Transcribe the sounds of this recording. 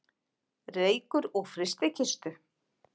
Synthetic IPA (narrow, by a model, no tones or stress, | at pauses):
reːjkʏɾɔɣfɾɪst̪ɪcʰɪst̪ʏ